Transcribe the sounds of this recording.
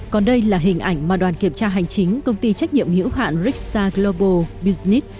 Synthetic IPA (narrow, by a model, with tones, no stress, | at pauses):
kɔ˨˩nɗə˧jlaː˨˩ɦï˨˩ŋ̟ʔa˧˩jŋ̟maː˨˩ɗwaː˨˩nki˧˩əmt͡ɕaː˧ɦa˨˩jŋ̟t͡ɕï˨˦ŋ̟kə˧wŋ͡mt̪i˧t͡ɕa˦˥jk̟̚ɲḭ˧˨əmhḭ˧˥wɦa̰ː˧˨nzi˦˥k̚saː˧ɡlo˧ɓo˧ɓi˧zni˦˥t̚